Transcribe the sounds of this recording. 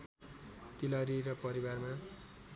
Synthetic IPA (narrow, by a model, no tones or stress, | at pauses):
t̪ilʌɾiɾʌpʌɾibarma